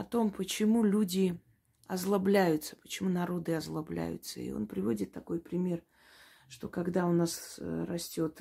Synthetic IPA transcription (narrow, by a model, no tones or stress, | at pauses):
ɐt̪o̞mpət͡ɕɪmulʲudʲɪ | ɐzlˠɐblʲæjʊt̪sə̥pə̥t͡ɕɪmunɐɾo̞d̪ɨɐzlˠɐblʲæ̰jʊ̰t̪səḭo̞̰npɾʲɪvo̞dʲɪt̪ːɐko̞jpɾʲɪmʲe̞r | ʂt̪o̞̰kɐɡd̪aʊnasrɐsʲtʲo̞t̪